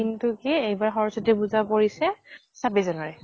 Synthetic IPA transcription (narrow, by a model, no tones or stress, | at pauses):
intʊkɛejbaɹxɔɹɔsɔtɛbuzapoɹisɛsabɛzɔnaɹɛ